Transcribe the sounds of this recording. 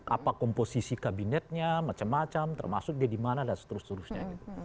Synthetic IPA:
ʔa̰pakɔmposisikabinɛt̪̚ɲamat͡ʃamːat͡ʃamt̪ərma̰sʊk̚diadimanalasə̥t̪əɾʊst̪əɾʊsɲaɡit̪u

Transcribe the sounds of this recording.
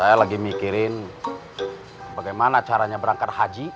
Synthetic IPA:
ajalaɡimikiɾɪn | baɡajmanat͡ʃaɾaɲabəɾaŋkat̪̚had͡ʒi

